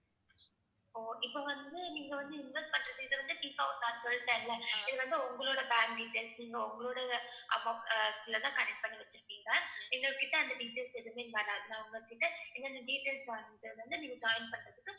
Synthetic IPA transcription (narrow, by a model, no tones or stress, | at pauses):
oːʔɪpːoʋɐnd̪ɯniːŋɡɐʋɐnd̪ɯɪnʋɛsʈ̚pɐɳːɾɐðɯɪðɐʋɐnd̪ɯʈɪkːaːʋɐnaːsɔlːɯt̪ːẽːɪlːɐɪðɯʋɐnd̪ɯʊŋɡɐɭoːɽɐbaːŋkɖiːʈeːlsniːŋɡɐʊŋɡɐɭoːɽɐʔɐ̰moːklɐt̪ãːkɐnɛk̚ʈ̚pɐɳːiʋɐt͡ʃːɯɾɯkːiːŋɡɐnɪŋɡɐɭkːɪʈːɐɐnd̪ɐɖiːʈeːlsɛðɯmeːnʋɐɾaːɐðɯnãːʊŋɡɐɭkːɪʈːɐɛnːɐnɐɖiːʈeːlsʋɐnðɯðʋɐnd̪ɯniːŋɡɐd͡ʒaːɪnpɐɳɾɐðɯkːɯ